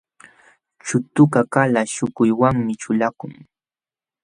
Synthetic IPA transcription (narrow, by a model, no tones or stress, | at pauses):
t͡ʃʊt̪ʊkakalaʃʊkʊjwaŋmɪt͡ʃʊlakʊŋ